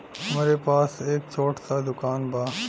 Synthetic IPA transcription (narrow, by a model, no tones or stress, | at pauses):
mɐɾepaːseːkt͡ʃʰoːʈsad̪ʊkaːnbaː